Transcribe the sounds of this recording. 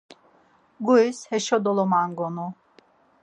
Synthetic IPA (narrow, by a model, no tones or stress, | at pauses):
ɡuishɛʃɔd̪ɔlɔmaŋɡɔnu